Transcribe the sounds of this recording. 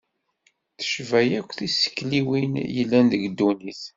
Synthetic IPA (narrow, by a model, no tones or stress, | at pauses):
θə̥ʃvæjækʷːθisːə̥kːliwinjəlːænðəɡd̪ːuniθ